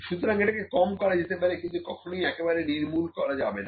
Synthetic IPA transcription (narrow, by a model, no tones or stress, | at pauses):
ʃut̪oɾaŋeʈakekɔmkɔɾad͡ʑet̪epaɾekint̪ukɔkʰonojɛkebaɾeniɾmulkɔɾad͡ʑabena